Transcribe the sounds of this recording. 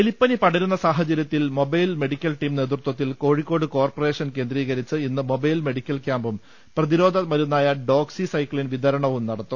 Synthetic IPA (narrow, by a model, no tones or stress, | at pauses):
elipːɐnipɐɽɐɾunːɐsaːɦɐt͡ɕːɐɾjɐt̪ːilmo̞bɐjlme̞ɽikʲːɐlʈiːmne̞ːt̪rut̪wɐt̪̬ːilko̞ːɻikʲːo̞ːɽɨko̞ːrpore̞ːʂɐnke̞ːnd̪riːɣɐɾit͡ɕːɨinːɨmo̞bɐjlme̞ɽikʲːɐlkʲjaːmbum | prɐðiɾo̞ːd̪ʱɐmɐɾunːaːjɐɖo̞ːksisɐjkːɭinʋid̪ʱɐɾɐɳɐʋumnɐɽɐt̪ːum